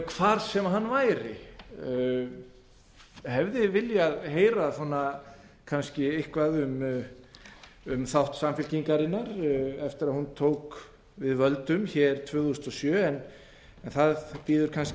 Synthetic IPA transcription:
kʰv̥aːɾsɛmaɦanːvaːjɾɪ | hɛvðɪvɪljaðɦeːjɾaθɔnːa | kʰanscɪɪhkvaðʏm | ʏmθawht̪samfɪlciŋkaɾɪnːaɾɛft̪ɪɾaðhunt̪ʰoːwk | vɪðvœlt̪ʏmçɛːɾ̥t̪ʰvœːðust̪ɔsjœːɛn | ɛnθaðpiːðʏɾ̥kʰans

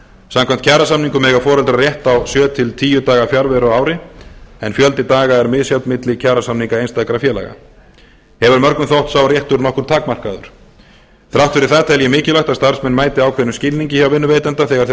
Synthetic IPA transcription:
samkʰam̥t̪̚cʰaɾasamniŋkʏmɛːɣafɔːɾɛlt̪ɾarjɛht̪awsjœːt̪ʰɪlt̪ʰiːjʏt̪aːɣafjaɾvɛɾɔaːwɾɪɛnfjœlt̪ɪt̪aːɣaɛɾmɪðsjawt̪mɪt̪lɪcʰaːɾasamniŋkaejnst̪ajkɾafjɛːla̰ɣa̰ | hɛvʏɾmœɾknʏmθowht̪saːwrjɛht̪ʏɾnɔhkʏɾt̪ʰaːkmar̥kaðʏ̰ɾ̥ | θɾawht̪fɪɾɪɾ̥θɛt̪aɛljɛmɪːcɪlawt̪ast̪aɾ̥smɛnːmaːjt̪ɪaːwkʰvɛnʏmscɪlniɲcɪçawvɪnːʏveːjt̪ɛnt̪aθɛɣaɾ̥θ

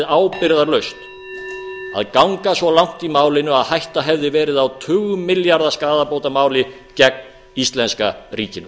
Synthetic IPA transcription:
ðaːwpɪɾðaɾlœɥst̪ | a̰ðkawŋkasvɔlawŋ̥t̪imaːwlɪnʏaðhajht̪aɦɛvðɪvɛːɾɪðawt̪ʰʏːɣʏmɪljaɾðaskaːðapowt̪amaːwlɪ | cɛk̚n | ist̪lɛnska̰ɾiːcɪnʏ

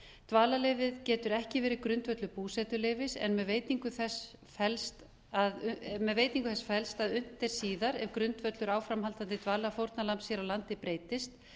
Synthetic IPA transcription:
t̪vaːlaleːjvɪðcɛːt̪ʏɾɛhcɪvɛːɾɪkɾʏnt̪vœt̪lʏpuːsɛt̪ʏleːjvɪsɛ̰nmɛðveːjt̪iŋkʏθɛs | fɛlst̪ | aðmɛðveːjt̪niŋkʏθɛsfɛlst̪aðʏn̥t̪ɪɾ̥siːðaɾɛvkɾʏnt̪vœt̪lʏɾaːwfɾamhalt̪ant̪ɪt̪vaːlafowɾt̪nalampsjɛɾawlant̪ɪpɾeːjt̪ɪst̪

